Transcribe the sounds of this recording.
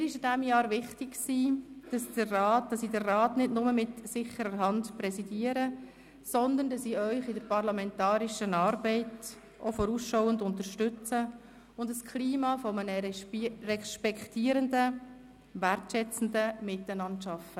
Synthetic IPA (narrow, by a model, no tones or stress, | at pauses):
ɪɾɪʃɪdɛmjɑːɾʋɪχtɪkksiːd̥ɑsd̥ərɑːt̚d̥ɑsiːdərraːtnɪdnʊməmɪtsɪχəɾəɾɦɑndpɾɛsidiəɾə | sɔnd̪əndɑsiːœʏχɪdəɾpɑɾlɑmɛntɑːɾɪʃənɑːɾbɛɪt | ʔofɔɾusʃɔwəndʊntəɾʃtʏt͡sə | ʊndəskʰliːmɑfɔmənərɛʃpɛktiːɾəndə | ʋærtʃɛt͡sn̩dəmɪtɛnɑntʃɑfə